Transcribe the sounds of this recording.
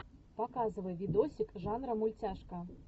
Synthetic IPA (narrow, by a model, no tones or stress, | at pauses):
pakazvɐjɛvʲid̪ɔsʲikʐanɾɐmulʲt͡sʲaʂkɐ